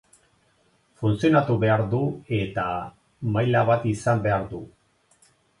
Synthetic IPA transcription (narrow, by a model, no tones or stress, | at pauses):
funsio̞nat̪uβe̞aɾðue̞t̪a | majlaβat̪isambe̞aɾðu